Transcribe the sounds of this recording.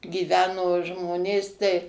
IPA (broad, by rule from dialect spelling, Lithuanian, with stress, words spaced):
ɡʲiːˈʋʲæːnoː ˈʒmoːnʲeːs tɐɪ